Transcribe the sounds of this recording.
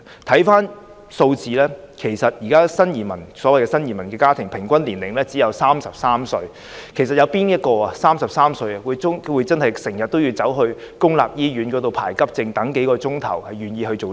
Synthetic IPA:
t̪ʰɐ˨˥jfaː˥n | so˧wt͡siː˨˧lɛː˥kʰe˨˩jsɐ˨t̚jiː˨˩kaː˥sɐ˥njiː˨˩mɐ˨˩nsɔː˨˥wɐ˨jkɛː˧sɐ˥njiː˨˩mɐ˨˩nkɛː˧kaː˥t̪ʰɪ˨˩ŋpʰɪ˨˩ŋkʷɐ˥nliː˨˩nlɪ˨˩ŋlɛː˥t͡siː˨˥jɐ˨˧wsaː˥msɐ˨p̚saː˥msɵ˧ɥ | kʰe˨˩js̬ɐ˨t̚jɐ˨˧wpiː˥njɐ˥t̚kɔː˧a˨saː˥msɐ˨p̚saː˥msɵ˧ɥɐ˨wuː˨˧jʊ˥ŋwu˨˧˥jt͡sɐ˥nhɐ˨jsɪ˨˩ŋjɐ˨t̚t̪ːo˥wjiː˧wt͡sɐ˨˥wɦɵ˧ɥ | kʊ˥ŋla̰ː˨p̚jiː˥ɥyː˨˥nkɔː˨˥t̪o˨˧wpʰa̰ː˨˩jkɐ˥p̚t͡sɪ˧ŋt̪ɐ˨˥ŋke˨˥jkɔː˧t͡sʊ˥ŋt̪ʰɐ̰˨˩whɐ˨jɥyː˨˩njiː˧ɦɵ˧ɥt͡so˨w

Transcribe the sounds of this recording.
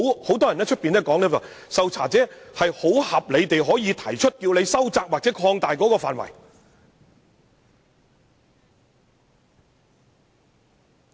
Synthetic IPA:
who˨˥wt̪ɔː˥jɐ˨˩nɛː˥t͡ʃʰɵ˥t̚piː˨nɛː˥kɔː˨˥ŋlɛ˥wa̰ː˨˩ | sɐ˨wt͡sʰa̰ː˨˩t͡sɛː˨˥hɐ˨jho˨˥whɐ˨p̚le˨˧jt̪e˨jɦɔː˨˥jiː˨˧t̪ʰɐ˨˩jt͡ʃʰɵ˥t̚kiː˧wne˨˧jsɐ˥wt͡saː˧k̚waː˨k̚t͡sɛː˨˥kʰɔː˧ŋt̪aː˨jkɔː˨˥kɔː˧faː˨nwɐ̰˨˩j

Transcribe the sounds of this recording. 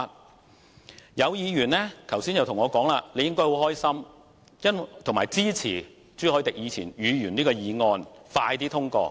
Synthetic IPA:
jɐ˨˧wjiː˨˧jyː˨˩nlɛː˥k̪ʰɐ˨˩wsiː˥njɐ˨˧wt̪ʰʊ˨˩ŋɔː˨˧kɔː˨˥ŋlaː˧le˨˧jɪ˥ŋkɔː˥ho˨˧˥whɔː˥jsɐ˥m | jɐ˥n˨t̪ʰʊ˨˩ŋmaː˨˩jt͡siː˥t͡sʰḭː˨˩ | t͡syː˥hɔː˨˥jt̪ɪ˨k̚jiː˨˧t͡sʰiː˨˩nɥyː˨˧ɥyː˨˩niː˥kɔː˧jiː˨˧ŋɔː˧nfaː˧jt̪iː˥t̪ʰʊ˥ŋkɔ̰ː˧

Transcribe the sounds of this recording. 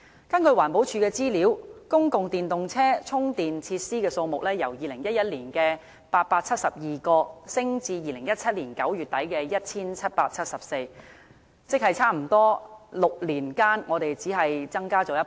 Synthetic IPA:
kɐ˥nkɵ˧ɥwaː˨˩npo˨˥wt͡ʃʰyː˧kɛː˧t͡siː˥liː˨˥wkʊ˥ŋkʊ˨ŋt̪iː˨nt̪ʊ˨ŋt͡sʰɛː˥t͡sʰʊ˥ŋt̪iː˨nt͡sʰiː˧t̚siː˥kɛː˧so˧mʊ˨k̚lɛː˥jɐ˨˩wjiː˨lɪ˨˩ŋjɐ˥t̚jɐ˥t̚liː˨˩nkɛː˧ | paː˧t̚paː˧t̚t͡sʰɐ˥t̚sɐ˨p̚jiː˨kɔː˧sɪ˥ŋt͡siː˧jiː˨lɪ˨˩ŋjɐ˥t̚t͡sʰɐ˥t̚liː˨˩nkɐ˨˥wjyː˨˩t̚t̪ɐ˨˥jkɛː˧jɐ˥t̚t͡sʰiː˥nt͡sʰɐ˥t̚paː˧k̚t͡sʰɐ˥t̚sɐ˨p̚se˧j | t͡sɪ˥k̚hɐ˨jt͡sʰaː˥m̩˨˩t̪ɔː˥lʊ˨k̚liː˨˩nkaː˥nŋɔː˨˧t̪e˨jt͡siː˨˥ɦɐ˨jt͡sɐ˥ŋkaː˥t͡sɔː˨˧jɐ˥

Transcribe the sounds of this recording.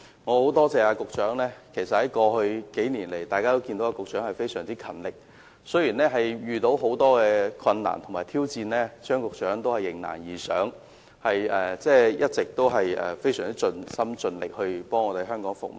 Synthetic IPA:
ŋɔː˨˧ho˨˥wt̪ɔː˥t͡sɛː˨˧aː˧kʊ˨k̚t͡ʃœː˨˥ŋlɛː˥kʰe˨˩jsɐ˨t̚hɐ˨˥jkɔː˧hɵ˧ɥke˨˥jniː˨˩nle˨˩jt̪aː˨jkaː˥t̪o˥wki˧nd̪o˨˥waː˧kʊ˨k̚t͡ʃœː˨˥ŋhɐ˨˩jfe˥jsœː˨˩ŋt͡siː˥kʰɐ˨˩nlɪ˨˩k̚ | sɵ˥ɥjiː˨˩nlɛː˥ɦɐ˨jjyː˨t̪o˨˥wɦo˨˥wt̪ɔː˥kɛː˧kʰwɐ˧nna̰ː˨˩nt̪ʰʊ˨˩ŋmaː˨jt̪ʰiː˥wt͡siː˧nlɛː˥t͡ʃœː˥ŋkʊ˨k̚t͡ʃœː˨˥ŋt̪o˥whɐ˨˩jːɪ˨˩ŋna̰ː˨˩njiː˨˩sœː˨˥ŋ | hɐ˨jɛː˨t͡sɛː˥˩jɐ˥t̚t͡sɪ˨k̚t̪o˥wɦɐ˨jʔɛ̰ː˨fe˥jsœː˨˩ŋt͡siː˥t͡ʃɵ˧nsɐ˥mt͡ʃɵ˧nlɪ̰˨k̚hɵ˧ɥpɔː˥ŋɔː˨˧t̪e˨˧˥ɦœː˥ŋkɔː˨˥ŋfʊ̰˨k̚m˨˩

